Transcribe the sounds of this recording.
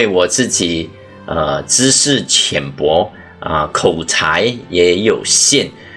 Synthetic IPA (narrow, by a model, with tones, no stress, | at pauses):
e˥˩ɪwɔ˨˩t͡sɹ̩˥˩t͡ɕi˨˩˦ | ə˧˩t͡sɹ̩ɻ̩˥ʂɻ̩˥˩t͡ɕʰjɛ˨˩npwɔ˧˥ | ə̰˧kʰo˨˩ʊt͡sʰa˧˥ɪjɛ˧˥jo˨˩ʊɕjɛ˥˩˨n